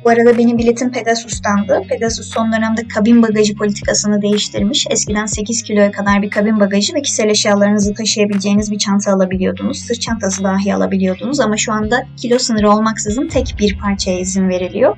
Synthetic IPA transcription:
buaɾad̪abe̞nimbilʲit̪ʰinpʰe̞d̪asust̪ʰand̪ɯpʰe̞d̪asusːo̞nd̪ø̞næmd̪ɛkʰabinbaɡaʒɯpʰo̞lʲit̪ʰi̥kʰasɯnɯd̪e̞jiʃt̪ʰiɾmiʃɛscid̪ænse̞ciz̥cʰilʲo̞jɛkʰad̪aɾbiɾkʰabinbaɡaʒɯvɛcʰi̥se̞lʲeʃjaːlˠaɾɯnɯzɯt̪ʰaʃɯjabilʲd͡ʒe̞jinizbit͡ʃʰant̪ʰɯːlˠabilʲijo̞d̪unuz̥sɯɾt͡ʃʰant̪ʰas̬ɯd̪aːɦia̰lˠa̰bilʲijo̞d̪unuzamaʃuand̪acʰilʲo̞sɯnɯɾɯo̞lˠmaksɯzɯnt̪ʰɛcbiɾpʰaɾt͡ʃʰajaizinve̞ɾilʲḭjo̞

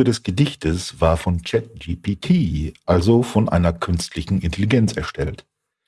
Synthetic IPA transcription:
ədɛsɡ̥ədɪçtʰəsv̥aːɐfɔnt͡ʃɛt̚d͡ʒiːpʰiːtʰiːʔalzofɔnʔa̰ɪnɐkʰʏnstʰlɪçn̩ʔɪntʰeliɡɛnt͡sɛɐʃtʰɛlt

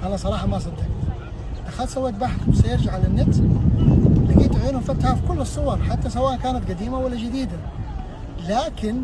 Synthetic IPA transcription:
ʔanːasˤɑɾˤɑːħɑmɑs̬ˤɑt̪ak̪ | ʔ̪axasawːeːt̪̚baħθbsajɪɾd͡ʒaʕalanːat̪s | lɪɡiːt̪ʕiːnhʊmfat̪ħafikʊlːɨsˤːʊwɑɾˤħat̪ːasawaːʔankaːnat̪ɡad̪iːmawalːad͡ʒɪd̪iːd̪a | laːkɪn

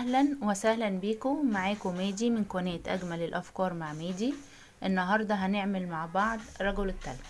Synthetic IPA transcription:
æhlænwesæhlænbiːkomaʕaːkomeːd̪iːmɪnkwæneːt̪ʔæ̰ɡmælelʔæfkɑːɾˤmaʕmeːd̪iː | ʔenːɑɦɑɾˤd̪ˤɑɦæneʕmelmaʕbɑʕd̪ˤɾˤːɑɡolɪt̪ːæl

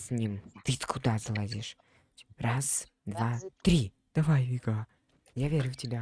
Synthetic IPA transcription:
sʲnʲimt̪ɨt̪kʰʊd̪azəlˠɐd̪ʲiʂ | ras | d̪vat̪ɾʲi | d̪̥ɐvajjɡa | javʲeɾʲʊftʲɪbʲa

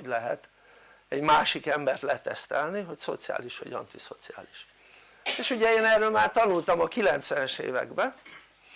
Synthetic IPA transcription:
ɟlɛɦɛt̪ | ɛɟmaːʃikɛmbɛrt̪lɛt̪ɛst̪ɛlniɦo̞cso̞̰t̪sija̰ːliʃʋɒ̰ɟɒ̰nt̪iso̞t̪sia̰ːliʃ | eːʃuɟɛeːnɛːrːøːlmaːrt̪ɒnult̪ɒmɒkilɛnt̪sʋɛnɛʃḛːvɛ̰ɡbɛ

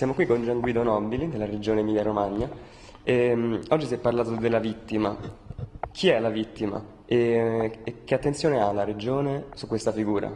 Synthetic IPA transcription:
sjamokwikːond͡ʒaŋɡwiːd̪onɔbilid̪elːaɾed͡ʒoːnemiljaɾomaɲːa | emɔd͡ʒːisɛpːarlaːt̪od̪elːavit̪ːima̰ | k̟ʰiɛlavit̪ːima̰ | eekːeat̪ːent̪sjoːnealaɾed͡ʒoːnesukːwest̪afiɡuːɾa̰

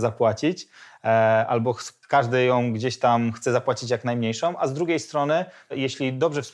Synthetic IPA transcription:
zapwat͡ɕit͡ɕ | ʔa̰lbɔkaʐd̪ɘjɔ̃w̃ɡd͡ʑeɕt̪amxt̪sɛzapwat͡ɕit͡ɕjaknajmɲejʂɔ̃w̃azd̪ɾuɡʲejst̪ɾɔnɘjeɕlʲid̪ɔbʐɛfsp

